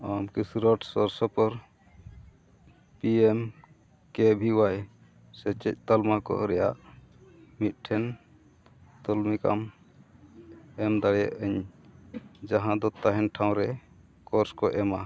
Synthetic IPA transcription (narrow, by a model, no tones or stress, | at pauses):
amkisuɾɔʈsɔɾsɔpɔɾ | piem | kɛbʱiwaj | sɛt͡ʃɛc̚ˀt̪almakɔ̰ɾɛja̰ʔ | mit̪̚ʈʰɛn | t̪ɔlmika̰m | ɛmd̪aɽɛja̰ʔəɲ | d͡ʒaɦãd̪ɔt̪ːaɦɛnʈʰaw̃ɾɛ | kɔɾskɔʔɛma